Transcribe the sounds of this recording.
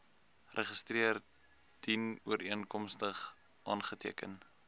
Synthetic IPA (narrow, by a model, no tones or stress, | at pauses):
rʔəχəstriər | d̥inuəɾʔiənkɔmstəχ | ʔɑːnχətiəkə̰n